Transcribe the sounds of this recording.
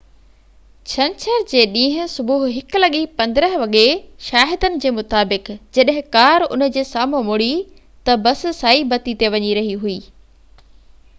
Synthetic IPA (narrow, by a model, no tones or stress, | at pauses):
t͡ɕʰɐ̃nt͡ɕʰəɾd͡ʑeːɗĩːɦʊ̃̆sʊbuɦɦɪkʊlɐɠipɐ̃nd̪ɪɾəɦʋɐɠeʃaːɦɪd̪ənɪ̆d͡ʑeːmʊt̪aːbɪkd͡ʑɐɗɦɪ̃kaːɾʊ̰nə̆d͡ʑeːsaːmõmʊɽi | t̪ɐbɐs̆saːibɐt̪it̪eʋɐɲiɾɐɦiɦuiː